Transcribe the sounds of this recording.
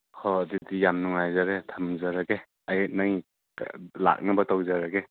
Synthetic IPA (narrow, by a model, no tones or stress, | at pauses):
hʰɔːdidijamnuŋajzaɾetʰamzaɾaɡe | ajnaŋḭ | la̰k̚nabɐtawzaɾaɡe